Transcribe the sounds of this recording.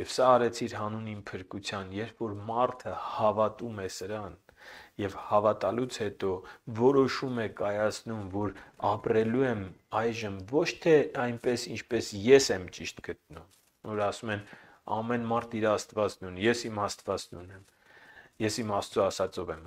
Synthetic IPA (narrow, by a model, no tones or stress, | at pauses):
jɛvsɑːɾɛt͡sʰiɾɦɑnunimpʰəɾkut͡sʰjɑnjɛɾpʰfɔɾmɑɾt̪ʰəhɑvɑt̪umɛsəɾɑn | jɛvhɑvɑt̪ɑlut͡sʰhɛt̪ɔvɔɾɔʃumɛkɑjɑt͡sʰnumvɔɾɑprɛluɛmɑjʒəmvɔt͡ʃʰt̪ʰɛɑjnpɛsint͡ʃʰpɛsjɛsɛmt͡ʃiʃt̪ɡət̪̚num | vɔɾɑsumɛn | ɑ̰mɛnmɑɾt̪ʰiɾɑːst̪vɑt͡snunjɛsimɑst̪vɑt͡snunɛm | jɛsimɑst̪ɔɑsɑt͡sɔvɛm